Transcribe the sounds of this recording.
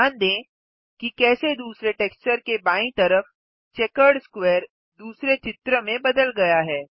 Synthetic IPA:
aːnd̪ẽː | kikɛːsed̪uːsɾeʈeːkst͡ʃəɾkebaːĩt̪ɐɾəf | t͡ʃɛːkəɾɖskwɛːɾ | d̪uːsɾet͡ʃɪt̪ɾəmẽbɐd̪əlɡɐjaɦɛː

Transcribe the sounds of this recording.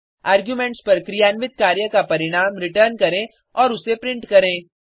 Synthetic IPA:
aːɾɡjuːmẽːɳʈspɐɾkɾijaːnʋɪt̪̚kaːɾjəkapɐɾɪɽ̃aːmɾɪʈəːɾnkɐɾẽ | ɔːɾʊsepɾɪ̃ɳʈkɐɾẽː

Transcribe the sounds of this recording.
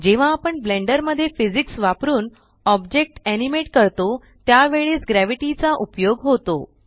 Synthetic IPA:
d͡ʑeʋ̤aːpəɳbleɳɖəɾməd̪ʱːjefid͡ziksʋapɾuːn | ɔbd͡ʑek̚ʈænimeʈkəɾt̪o | t̪jaʋeɭeːsɡɾæʋiʈit͡saʔupjoɡɦot̪o

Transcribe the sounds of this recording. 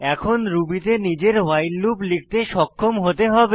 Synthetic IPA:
ɛkʰonɾubit̪enid͡ʑeɾwajlluplik̚ʰt̪eʃɔkʰːomɦot̪eɦɔbe

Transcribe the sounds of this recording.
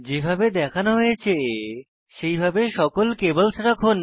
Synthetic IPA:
d͡ʑebʱabed̪ɛkʰanoɦoet͡ɕʰe | ʃejbʱabeʃɔkolkebəlsɾakʰon

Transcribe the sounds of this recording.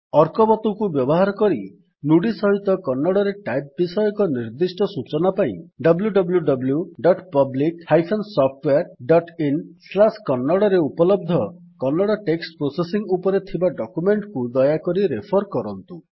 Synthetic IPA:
ɔɾkɔbɔt̪ukubjɔbɔɦaɾɔkɔɾi | nuɽisɔɦit̪ɔkɔnːɔɽɔɾeʈajp̚bisɔjɔkɔniɾd̪isʈɔsut͡ʃɔnapaĩɖʌbljuɖɔbljuɖɔbljuɖɔʈpɔblikhajpʰɔnsɔpʰʈweaɾɖɔʈinslaskɔnːɔɽɔɾeupɔlɔbd̪ʱɔkɔnːɔɽɔʈeksʈpɾosesiŋupɔɾet̪ʰibaɖɔkumeɳʈkud̪ɔjakɔɾiɾepʰɔɾkɔɾɔnt̪u

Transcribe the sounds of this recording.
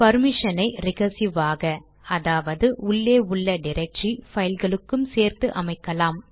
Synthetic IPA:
pɐɾmɪʂɐnɐɪɾɪɣɐsɪʋaːɣɐ | ɐðaːʋɐðɯʊɭːeːʊɭːɐɖɪɾɐk̚ʈrifɐjɪlɣɐɭɯkːɯmseːɾt̪ɯʔɐmɐɪkːɐlaːm

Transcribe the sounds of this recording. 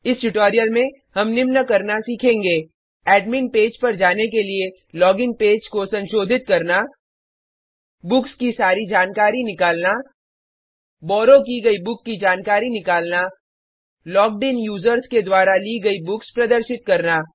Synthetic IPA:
ɪsʈʊʈoːɾijəlmẽ | ɦɐmnɪmnəkɐɾnasiːkʰẽːŋɡeː | ɛːɖminpeːd͡ʒpɐɾd͡ʒaːnek̬elie | lɔːɡɪ̃ŋ̚peːd͡ʒkosɐ̃nʃoːd̪ʱɪt̪̚kɐɾna | bʊkskisaːɾid͡ʒaːnkaːɾinɪkaːlna | bɔːɾokiɡɐibʊkːid͡ʒaːnkaːɾinɪkaːlna | lɔːk̚ɖeːnjuːzəɾsked̪waːɾaliɡɐibʊkspɾɐd̪əɾʃɪt̪̚kɐɾnaː

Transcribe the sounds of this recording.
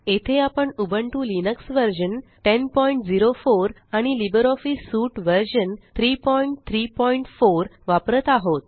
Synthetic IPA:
et̪ʰeapəɳubəɳʈulinəksʋəɾɕənʈenpɔiɳʈd͡ziɾofoɾ | aɽ̃ilibəɾɔfisuʈʋəɾɕənt̪ʰɾipɔiɳʈt̪ʰɾipɔiɳʈfoɾʋapɾət̪aɦot̪̚

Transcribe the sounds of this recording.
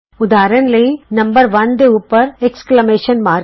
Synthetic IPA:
ʊd̪aːɾɐnlɐjnɐmbɐɾʋɐ̃nd̪eupːɐɾɛksklɐmeːʃɐnmaːɾ

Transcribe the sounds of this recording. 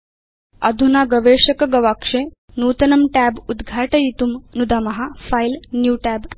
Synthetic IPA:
ɐ̰d̪ʱunaɡɐʋeʂɐkɐɡɐʋakʂe | nuːt̪ɐnɐmʈæbud̪ɡʱaːʈɐjit̪umnud̪ʱaːmɐɦafajlnjuːʈæb

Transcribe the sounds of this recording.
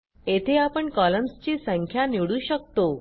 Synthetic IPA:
et̪ʰeapəɳkɔləmst͡ɕiːsə̃ŋkʰjaniɽuːɕək̚t̪o

